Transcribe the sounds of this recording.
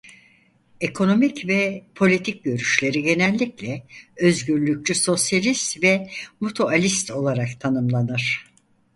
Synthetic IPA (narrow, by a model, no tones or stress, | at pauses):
e̞kʰo̞no̞micvɛpʰo̞lʲit̪ʰic̚ɟø̞ɾyʃlʲe̞ɾiɟe̞nɛlʲːiclʲɛø̞zɟyɾlʲyc̚t͡ʃyso̞sjalʲist̪vɛmut̪ʰoalʲist̪ʰo̞lˠaɾakt̪ʰanɯmlˠanɯɾ̥